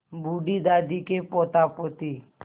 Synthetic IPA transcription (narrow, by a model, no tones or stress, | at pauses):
buːɖid̪aːd̪ikepɔt̪apot̪i